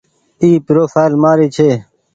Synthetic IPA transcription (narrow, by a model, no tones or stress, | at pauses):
iːpɪɾoːfaːjlmaːɾiːt͡ʃʰeː